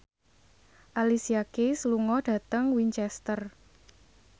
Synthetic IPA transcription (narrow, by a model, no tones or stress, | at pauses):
ʔalisiakesəluŋɔɖ̥ä̤t̪əŋwiɲt͡ʃɛst̪ər